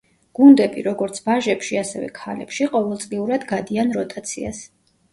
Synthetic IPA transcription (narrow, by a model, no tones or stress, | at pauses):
ɡ̥und̪ɛbḭɾɔɡɔɾt̪sʰbaʒɛpʃiasɛvɛ̰kʰalɛ̰pʃiqʼɔvɛlˠt̪sʼliuɾad̪ɡad̪ianɾɔt̪ʰat̪sʰḭa̰s